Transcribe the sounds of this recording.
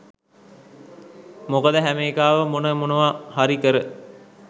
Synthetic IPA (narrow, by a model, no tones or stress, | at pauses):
mokəd̪əɦæmeːkaːʋəmonəmonəʋahaɾikəɾə